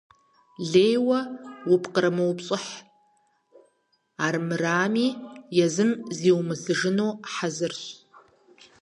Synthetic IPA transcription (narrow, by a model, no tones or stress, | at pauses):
ɮeːjwɐwʊpʰqəɾɐmɐwpɕʼɪħ | aːrmɨraːmiːjɛzɨmziːwmɨsɨʐɨnoːħazɨrɕ